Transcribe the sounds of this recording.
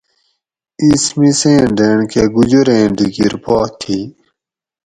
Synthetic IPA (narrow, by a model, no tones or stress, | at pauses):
ismisẽːɖeːɳkeɡud͡ʑuɾẽːɖiɡiɾpɔːt̪ʰi